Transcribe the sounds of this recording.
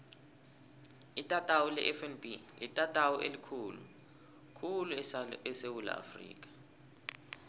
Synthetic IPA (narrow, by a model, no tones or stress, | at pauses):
itʼatʼawulɛʔɛfɛnbilitʼatʼawuʔelikʰuːlu | kʰuluɛsewula̰a̰frḭːk̬ʼḁ